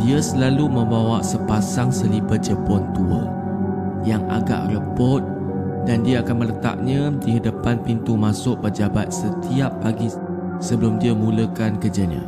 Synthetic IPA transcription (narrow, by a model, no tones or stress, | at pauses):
diəsəlalumə̃mbawaʔsəpasaŋsəlibət̪̚d͡ʒəpɔnt̪uə̰ | jaŋa̰ɡa̰ʔrəpɔt̪̚ | dandiaakanmələt̪a̰ʔ̚ɲãdiɦədəpanpint̪umasʊʔpəd͡ʒabat̪̚sət̪ʰiapːaɡi | səbəlʊmdiəmũləkankəd͡ʒaɲã̰